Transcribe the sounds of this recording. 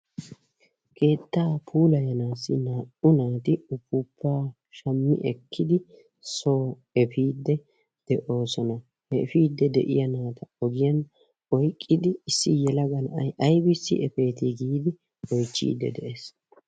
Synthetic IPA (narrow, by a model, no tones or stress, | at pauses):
kʰe̞ːt̪ːaːpʰuːlɐjɐnaːsːɪnaːʔʊnaːt̪ɪʊpːʊpʰːaː | ʃɐmːɪ̰ʔɛkʰːɪd̪ɪ | so̞ː | ɛfiːd̪ːɛ | d̪̥ɛʔo̞ːsɔnɐ | hɛfiːd̪ːɛd̪ɛ̰ʔɪ̰jɐnaːt̪ɐɔɡɪjɐn | ɔjkʼːɪd̪ɪːsːɪjɛlɐɡɐnɐjʔɐjbɪsːɪ̰ʔɛfe̞ːt̪ɪɡiːd̪ɪ | ɔjt͡ʃːḭːd̪ːɛ̰d̪ɛʔes